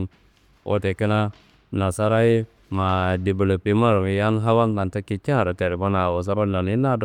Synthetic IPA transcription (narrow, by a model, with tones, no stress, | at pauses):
ʔo̰˨te˨ki˦na˦ | na˨sa˦ɾa˦ji˦ | ma˨di˨bə˨lə˨pi˦ma˦˨ɾi˨ja˦nɦa˦wa˦nka˨nta˦ki˦t͡ʃa˦˨ɾa˨te˨ɾi˨ba˦na˨wo˨s̬a˦ba˦nːa˨ni˦na˦d